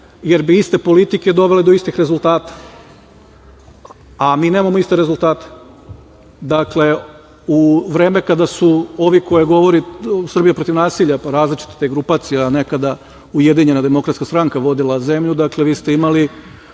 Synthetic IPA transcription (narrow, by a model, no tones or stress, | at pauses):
je̞ɾbiist̪e̞po̞lit̪ike̞d̪o̞ʋe̞led̪o̞ist̪ixɾe̞zulˠt̪aːt̪ḁ | amiːne̞ːmamoist̪e̞ɾe̞zulˠt̪aːt̪e̥ | d̪akle̞ | uʋɾeːme̞kad̪asuo̞ʋiko̞jeɡo̞ʋo̞ɾisr̩bijapɾo̞t̪iʋnaːsiʎaɾaːzlit͡ʃi̥t̪ḁt̪eɡɾupaːt̪sijene̞kad̪a | uje̞d̪iɲe̞nad̪emo̞kɾat̪skast̪ɾaŋkaʋo̞d̪ilˠaze̞mʎud̪akle̞ʋiːst̪e̞imali